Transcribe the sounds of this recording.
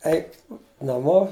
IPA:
ˈɛɪk nɐˈmoː

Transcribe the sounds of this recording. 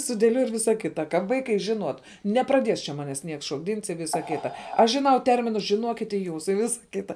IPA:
sʊdʲeːˈlʲuɔj ɪr ˈʋʲɪsɐ ˈkʲɪtɐ kɐ ˈʋɐɪkɐɪ ʒʲɪˈnuɔt nʲɛprɐˈdʲiɛs t͡ʃʲɛ ˈmɑːnʲɛs ˈnʲiɛks ʃoːɡˈdʲiːns ɪ ˈʋʲiːsɐ ˈkʲiːtɐ ˈɐʃ ʒʲɪˈnɐʊ ˈtʲɛrʲmʲɪnʊs ʒʲɪˈnuɔkʲɪt ɪ ˈjuːs ɪ ˈʋʲɪsɐ ˈkʲɪtɐ

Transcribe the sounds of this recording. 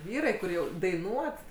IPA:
ˈʋʲiːrɐɪ kʊr ˈjɛʊ dɐɪˈnuɔt

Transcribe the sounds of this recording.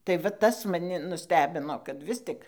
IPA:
tɐɪ ʋɐ ˈtɐs mɐˈnʲɪ nʊˈsʲtʲæːbʲɪnoː kɐt ˈʋʲɪs tʲɪk

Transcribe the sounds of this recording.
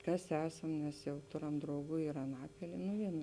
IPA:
ˈkɐs ˈæːsɐm nʲɛs jɛʊ ˈtoːˌrɐm drɐʊˈɡuː ɪr ɐˈnɑːpʲɪlʲiɛ nʊ ˈʋʲiɛnʊ

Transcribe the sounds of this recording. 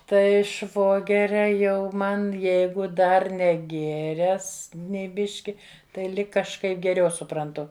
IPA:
tɐɪ ˈʃʋoːɡʲɛrʲɛ ˈjɛʊ ˈmɐn ˈjɛɪɡʊ ˈdɐr nʲɛˈɡʲeːrʲɛs nʲɛɪ ˈbʲɪʃʲkʲɪ tɐɪ ˈlʲɪk kɐʃˈkɐɪp ɡʲɛˈrʲɛʊ sʊprɐnˈtʊ

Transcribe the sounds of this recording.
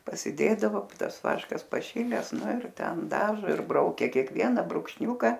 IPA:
pɐsʲɪˈdʲeːdɐʋoː ˈtɐs ˈʋɑːʃkɐs pɐˈʃʲɪlʲɛs ˈnʊ ɪr ˈtʲɛn dɐˈʒoː ɪr ˈbrɐʊkʲɛ kʲeːkˈʋʲiɛnɑː brʊkʃʲˈnʲuːkɐ

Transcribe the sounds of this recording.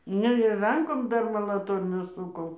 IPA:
ˈnʲɛ ɪr ˈrɐŋkoːm ˈdɐr mɐlˠɐˈtoːrʲnʲuː ˈsʊkoːm

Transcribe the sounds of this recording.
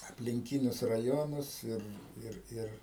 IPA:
ɐpʲlʲɪŋʲˈkʲɪnʲʊs rɐˈjoːnʊs ˈɪr ˈɪr ˈɪr

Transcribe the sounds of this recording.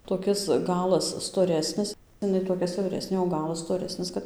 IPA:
toːˈkʲɪs ˈɡɑːlˠɐs stoːˈrʲæːsʲnʲɪs ɪˈnɐɪ toːˈkʲɛ sʲɛʊˈrʲæːsʲnʲeː oː ˈɡɑːlˠɐs stoːˈrʲæːsʲnʲɪs kɐt

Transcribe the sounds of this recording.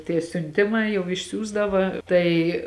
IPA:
tʲiɛ sʲʊnʲˈtʲɪmɐɪ jɛʊ ɪʃʲˈsʲuːzdɐʋɐ ˈtɐɪ

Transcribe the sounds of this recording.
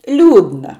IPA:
ˈlʲuːdnɐ

